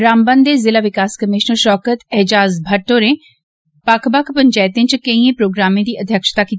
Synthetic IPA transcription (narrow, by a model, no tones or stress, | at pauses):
ɾaːmbənd̪eːzɪlaːʋɪkaːskəmɪʃnəɾʃɔːkət̪ɛɦd͡ʒaːzbʱəʈːoːɾẽː | pakʰbəkʰpəɲt͡ʃaːɪt̪ẽːt͡ʃkəĩẽpɾoːɡɾaːmẽːd̪iːʔəd̪ʱjəkʃt̪aːkiː